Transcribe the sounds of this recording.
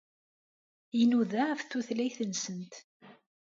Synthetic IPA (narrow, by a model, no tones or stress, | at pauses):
inuðæfθuθlæjθənsənt̪